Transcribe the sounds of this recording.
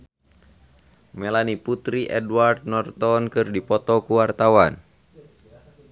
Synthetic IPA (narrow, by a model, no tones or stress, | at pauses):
mɛlaniput̪ɾiʔɛduward̪̚nɔrt̪ɔnkɨrdipɔt̪ɔkuwart̪awan